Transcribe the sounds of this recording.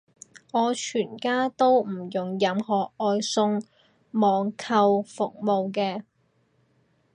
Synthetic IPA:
ŋɔː˨˧t͡ʃʰyː˨˩nkaː˥t̪o˥wm̩˨˩jʊ˨˩ŋjɐ˨˧mhɔː˨˩k̚ːɔː˧jsʊ˧ŋ | mɔː˨ŋkʰɐ˧wfʊ˨k̚mo˨˧wk̬ɛː˧

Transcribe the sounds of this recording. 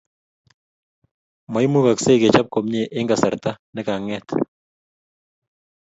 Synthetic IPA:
ma˨jmu˦ka˨kse˦kɛ˨t͡ʃa˦p̚ko˨m̚ɲe˦ʔɪ˦ŋɡa˨sa˨ɾta˦nɛ˦ka˨ŋɛ˦t

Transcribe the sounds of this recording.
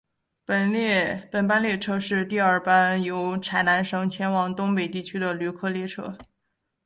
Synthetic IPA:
ppə˨˩npa˥nljɛ˥˧ʈ͡ʂʰɤ˥ʂɻ̩˥˧t̪i˥˧ɐ˞˥˩pa˥njo˧˥ʊʈ͡ʂʰa˧˥ɪna˧˥nʂɤ˥ŋt͡ɕʰjɛ˥nwɑ˨˧˩ŋt̪ʊ˥ŋpe˨˩ɪt̪i˥˩t͡ɕʰy˥d̪ə˨ly˧˥˩kʰɤ˥˧ljɛ˥˩ʈ͡ʂʰɤ̰˥

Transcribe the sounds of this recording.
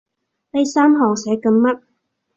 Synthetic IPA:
le˧˥jsaː˥mɦɔː˨˩ŋsɛː˨˥kɐ˧ŋmɐ˥t̚

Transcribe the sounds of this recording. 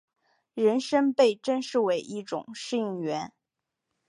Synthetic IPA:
ɻə˧˥nʂə˥ŋpe˥˩ɪʈ͡ʂə˥nʂɻ̩˥˩we˧˥ɪʔi˥˩ʈ͡ʂʊ̰˨˩˦ŋʂɻ̩˥˧i˥˩ŋɥɛ˧˥n

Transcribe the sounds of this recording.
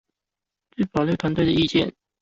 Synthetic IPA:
t͡swe˥˩ɪpɑ˨˩ʊljo˥˩ʊt̪ʰwa˧˥nt̪we˥˩ɪd̪ə˨˩i˥˧t͡ɕjɛ̰˥˩n

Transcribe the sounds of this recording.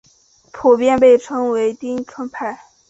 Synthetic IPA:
pʰu˨˩pjɛ˥˧npe˥˩ɪʈ͡ʂʰɤ˥ŋwe˧˥ɪt̪i˥ŋʈ͡ʂʰɤ˥npʰa˥˩ɪ

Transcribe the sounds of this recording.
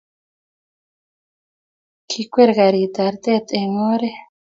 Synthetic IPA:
kʰi˦kʷe˦ɾɣa˨ɾi˨t̪a˨ɾt̪ʼe˦t̪ʼe˨ŋo˦ɾe˦

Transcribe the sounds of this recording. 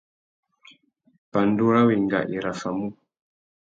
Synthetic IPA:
pa˨ndu˦ɾa˦wi˨ŋɡa̰˨ʔi˨ɾa˨fa˨mu˦

